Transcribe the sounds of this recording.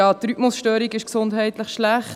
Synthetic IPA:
ɑːt̪ɾypmʊsʃtøːɾiɡɪʃksʊndɦɛɪtləχʃlæχ

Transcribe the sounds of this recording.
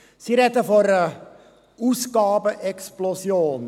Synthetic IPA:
siɾɛdəfɔɾə | usɡɑːbəʔɛksplosjoːn

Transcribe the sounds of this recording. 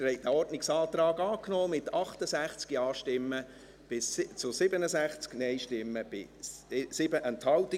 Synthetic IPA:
ɾhɛɪd̪əɔrdnɪksɑːt̪ɾɑːɡɑːknɔːmɪt̪ɑχt̪əsæχt͡skiɑːʃtɪmːə | b̥ɪst͡sʊsɪbənəsæχt͡sknɛɪʃtɪmːəb̥ɪ̰̥ | sɪbəʔənt̪hɑwtɪ

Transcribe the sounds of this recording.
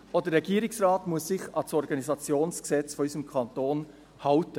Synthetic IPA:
ʔodəːɛɡiːɾɪksrɑːtmʊəsːɪçɑlsɔɾɡɑnizɑt͡sjoːnsksɛt͡sfɔisəmkʰɑntoːn | hɑltə

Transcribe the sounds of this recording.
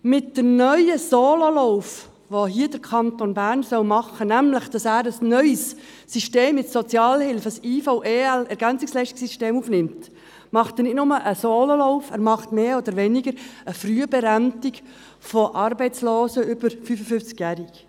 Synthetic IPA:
mɪtd̥əmnœʏəsoːlolɔʊf | ʋoɦiəd̥əɾkʰɑnt̪onbæːɾnsœʊmɑχːənæmləχd̥ɑsæːɾəsnœʏs | siʃteːmɪt͡sːɔt͡sjɑːlhɪlfəsiːfoʊʔeːælɛɾɡænt͡sɪkslɛɪʃtɪ̥ksiʃteːmuːfnɪmt | mɑχt̪ænɪdnʊməʔəsoːlolɔʊfæ̰ːɾmɑχt̪meːod̪əɾʋɛnɪɡəɾəfryəbɛɾæmt̪ɪk | fɔʔɑɾbɛɪt͡sloːsəʏb̥əɾfyfəfʏft͡skjæɾik

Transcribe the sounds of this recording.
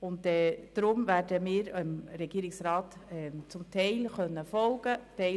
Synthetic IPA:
ʊntɛːd̥ɾʊmvæːɾdəmɪːɾimɾɛɡ̥iːɾɪksɾɑːtɛt͡sʊmtʰɛɪlχœnːəfɔlɡ̥ətɛɪ

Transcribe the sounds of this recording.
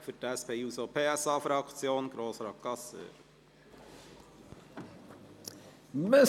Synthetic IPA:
fʏtæspʰeːuːsopʰeːæsɑːfɾɑkt͡sjoːnɡ̥ɾoːsɾɑkːɑsø̰ːɾ | me

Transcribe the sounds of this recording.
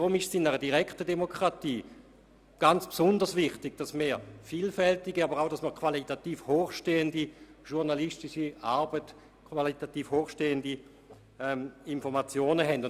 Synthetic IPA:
d̥ʁʊmɪʃsɪnɛʁədiʁɛktədemokʰʁatiː | ɡ̥ant͡spsʊndəsvɪχtɪɡ̥d̥asmeːfiːlfɛltɪɡiabəʁaʊɾasməʁkʰv̥alitatiːfhoːχʃteːəndiʃʊʁnalistɪʃiaɐbət | kʰvalitatiːfhoːχʃteːəndi | ɛminfɔʁmat͡sjoːnəɦɛndʊn

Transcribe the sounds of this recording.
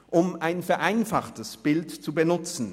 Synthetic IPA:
ʔʊmaɪnfɛɐʔaɪnfaχtəsb̥ɪltt͡subənʊt͡sn̩

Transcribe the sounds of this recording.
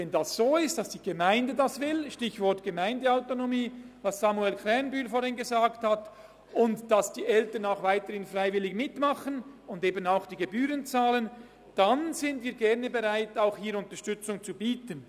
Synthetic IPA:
vɛndasz̥oːɪst̚d̥asd̥iːɡ̥əmaɪndədasvɪlʃtɪçvɔɐtɡ̥əmaɪndəaʊtonomiːvɑssamuɛlkʰʁ̥ɛnbyːlfoːɾhɪnɡəzaːkthat | ʊntd̥asd̥iːʔɛltənaʊxvaɪtəɾhɪnfraɪvɪlɪçmɪtmɑχənʊndeːbənaʊxd̥iːɡebyːɾənt͡saːlən | d̥anzɪntviːɡɛʁnəbeʁaɪtaʊxhiːɾʊntəʃtʏt͡sʊŋt͡subiːtən

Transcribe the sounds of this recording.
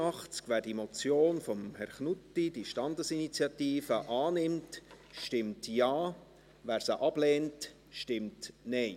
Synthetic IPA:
ɑχt͡skʋæːɾdimɔt͡sjoːnfɔmhɛɾχnutːid̥iʃtɑndəsinit͡sjɑtiːfəʔɑːnɪmt | ʃʃtɪmtjɑː | væːɾsəʔɑb̥lɛːnt | ʃtɪmtnɛɪ

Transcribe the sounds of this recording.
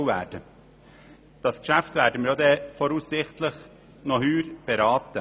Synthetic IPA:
væ̰ːɾd̥ə | d̥ɑskʃæft̪væːɾdəməɾjoːd̪ɛfɔɾusːɪχtləχ | nɔɦyːɾb̥ɛɾɑːt̪ə

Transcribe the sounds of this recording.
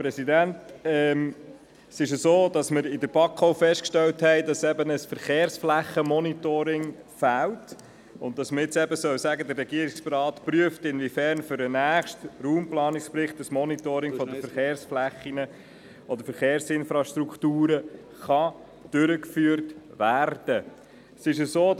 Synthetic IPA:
pɾɛsidæntɛm | sɪʃ̬əsoːdɑsməɾɪdəɾb̥ɑkʰoʊfɛʃtkʃtɛlthɛɪdɑsɛbənəsfəɾχeːɾsflæχəmɔnitoːɾɪŋ | fæːlt | ʊnt̚d̥ɑsməɾɪt͡sɛbəsœwsæɡəd̪ərːɛɡiəɾɪkspɑɾɑːtpɾyəftɪnvifæɾnfʏɾənæːχʃtruːmplɑːnɪksprɪχtəsmɔnitoɾɪŋfɔdəfəɾχeːɾsflæχːinə | ɔd̪əɾfəɾχeːɾsɪnfɾɑʃtɾuktuːɾə | χɑ | d̥ʏɾəkfyːəɾtʋæːrd̥ə | sɪʃəsoː

